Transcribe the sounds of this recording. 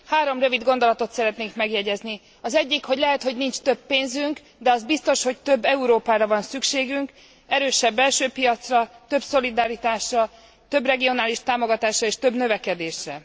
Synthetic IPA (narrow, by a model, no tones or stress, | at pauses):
haːɾo̞mrøvid̪ɡo̞nd̪o̞lɒt̪o̞t̪sɛɾɛt̪neːŋkmɛɡjɛɟɛzni | ɒzɛɟːikho̞ɟlɛɦɛt̪ho̞ɟnint͡ʃt̪øbːeːnzyŋk | d̪ɛɒzbist̪o̞ʃho̞ct̪øbːɛuɾoːpaːɾɒvɒnsykʃeːɡyŋk | ɛɾøːʃɛbːɛlʃøːpijɒt̪srɒt̪ø̞bso̞lid̪aɾit̪aːʃrɒ | t̪ø̞brɛɡio̞naːliʃt̪aːmo̞ɡɒt̪aːʃrɒeːʃt̪ø̞bnø̞vɛkɛd̪eːʃrɛ̰